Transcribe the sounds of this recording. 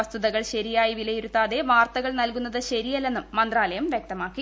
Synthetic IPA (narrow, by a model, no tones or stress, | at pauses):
ɐst̪uðɐɣɐɭɕɐɾijaːjiʋilɐjiɾut̪ːaːðe̞ʋaːrt̪ɐɣɐɭnɐlkunːɐðɨɕɐɾijalːe̞nːumːɐnd̪raːlɐjɐmʋjek̚t̪ɐmaːkːi